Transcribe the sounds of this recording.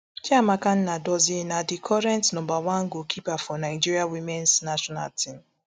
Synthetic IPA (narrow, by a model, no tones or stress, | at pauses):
kiamakan̩nadɔzjenadɪkʰɔɾɛntnɔbawaŋ̩ɡokʰipafɔnaɪd͡ʒiɾiawimɛnsnaʃɔna̰ltʰim̩